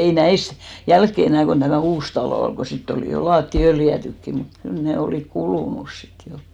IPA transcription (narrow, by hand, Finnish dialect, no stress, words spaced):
ei næis jælkːe enæˑ kon tæmæˑ uːs tɑloˑ ol ɡ̊o sitː oliˑ jo lɑːtːi øljæˑtykːi ni mut kyl ne oliˑk kuluˑnus sit jo